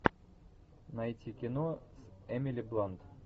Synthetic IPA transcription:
nɐjtʲikʲɪnosɛmʲɪlʲiblˠant̪

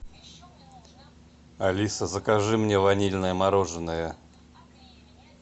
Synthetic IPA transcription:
ɐlʲisəzəkaʐɨmnʲevɐnʲilʲnəjəmaɾoʐɨnːəjə

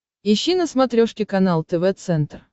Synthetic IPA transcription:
ɪɕːinəsmɐt̪ɾʲoʂkʲɪkɐnalˠt̪ɛvɛt̪sɛnt̪r

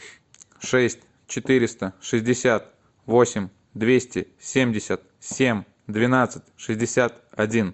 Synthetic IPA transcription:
ʂɛsʲtʲ | t͡ɕɪt̪ɨɾʲɪst̪əʂɨzʲdʲɪsʲat̪ | vo̞sʲɪmʲ | d̪vʲesʲtʲɪsʲemʲdʲɪsʲət̪̚ | sʲemʲ | d̪vʲɪnat̪sɨtʲʂɨzʲdʲɪsʲat̪ɐdʲin

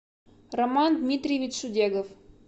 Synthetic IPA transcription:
romɑnd̪mʲit̪ʲrʲijvʲit͡ɕʂudʲeɡof

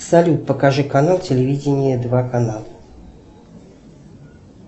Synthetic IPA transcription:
sɐlʲut̪̚pəkɐʐɨkɐnalˠtʲɪlʲɪvʲidʲɪnʲɪjəd̪vakɐnalˠə

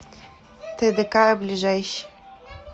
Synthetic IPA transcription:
t̪ɘd̪ɘkablʲiʐɛjɕi̥

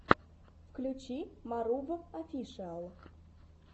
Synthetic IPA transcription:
fklʲʉt͡ɕimaɾuvəafʲiʂɨalˠ

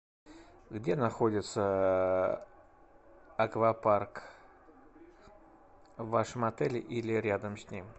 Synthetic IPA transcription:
ɡdʲe̞nɐxodʲɪt̪sə | ɐkvɐpark | vaʂəmɐt̪ɛlʲɪʔilʲɪɾʲad̪əmsʲnʲim

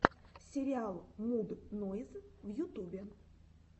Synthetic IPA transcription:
sʲɪɾʲɪalˠmud̪noɪzvjʊt̪ubʲɪ

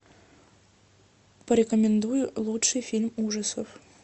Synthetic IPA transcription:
pɐɾʲekomʲɪnd̪ujlˠutʂɨjfʲilʲmuʐəsof

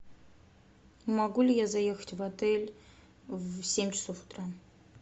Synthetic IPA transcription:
maɡulʲɪjazajexətʲvat̪ʰɛlʲ | vsʲemʲt͡ʃʰɪ̥sofu̥t̪ra

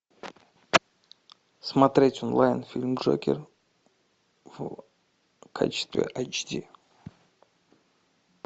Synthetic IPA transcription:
smɐt̪ɾʲetʲonlˠajnfʲilʲmʐo̰kʲɪ̰r | v | kʰa̰t͡ɕɪ̥st̪vʲḛʔajt͡ʃdʲi

